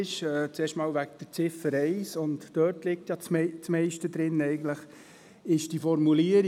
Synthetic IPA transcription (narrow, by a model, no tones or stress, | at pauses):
ʃɛːt͡seːʃtmɑːlʋæk̚d̥ət͡sɪfəɾɛɪsʊntd̥œɾtlɪk̚tjɑt͡smt͡smɛɪʃtədɾɪnɛɪɡən̩tləχ | ɪʃd̥ifɔɾmuliəɾ